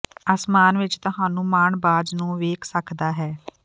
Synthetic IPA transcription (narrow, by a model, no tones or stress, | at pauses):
əsmaːnʋɪt͡ʃt̪ʊɦaːnũːmaːɳbaːd͡ʒnũːʋeːkʰsəkʰd̪aːɦɛː